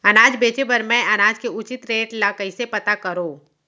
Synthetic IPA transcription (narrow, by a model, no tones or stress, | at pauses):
ɐnaːd͡ʒbeːt͡ʃebɐɾmɛ̃ɐnaːd͡ʒkeʊt͡ʃɪt̪ɾeːʈlaːkəisepɐt̪akɐɾoː